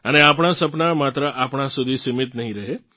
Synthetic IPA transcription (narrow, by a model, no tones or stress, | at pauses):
əneap̬ɳ̃asəpnamat̪ɾəʔapɳ̃asud̪ʱisimit̪nəɦĩɾəɦe